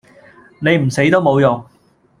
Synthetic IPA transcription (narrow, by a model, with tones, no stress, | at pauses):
ne˨˧jm̩˨˩se˨˥jt̪o˥wmo˨˧wjʊ˨ŋ